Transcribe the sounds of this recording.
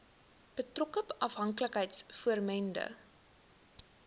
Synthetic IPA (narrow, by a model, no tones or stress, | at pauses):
b̥ətrɔkəpɐfɦɐŋkləkɦəjtsfuərmɛndə̰